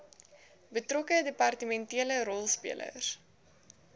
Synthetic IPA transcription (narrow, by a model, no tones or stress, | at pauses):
bətrɔkədepɐrtəmɛntiələɾɔlˠspḭəlʔə̰s